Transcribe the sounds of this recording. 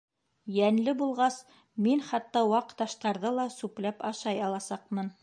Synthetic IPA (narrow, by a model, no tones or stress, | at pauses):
jænlɘbulˠʁɑs | minχɑt̪ːɑwɑqt̪ɑʃt̪ɑɾðɤlˠɑsʉplæpɑʃɑjɑlˠɑsɑqmɤn